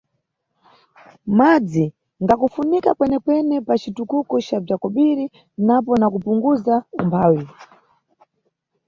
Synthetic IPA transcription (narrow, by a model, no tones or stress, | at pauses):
mad͡zi | ŋɡakufunikakwɛnɛkwɛnɛpat͡ʃitukukɔt͡ʃab͡ʐakɔɓiɾi | napɔnakupuŋɡuzaumbʰaːwi